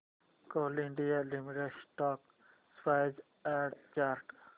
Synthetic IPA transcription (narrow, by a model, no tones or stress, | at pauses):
koːliɳɖijalimiʈesʈɔːk | spaɪd͡ʒ | ɛ̃ɖt͡ʃaːɾʈ